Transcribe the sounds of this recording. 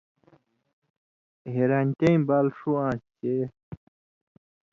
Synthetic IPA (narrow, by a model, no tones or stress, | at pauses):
ɦeɾanʲt̪eĩbalʂuãːst͡ɕe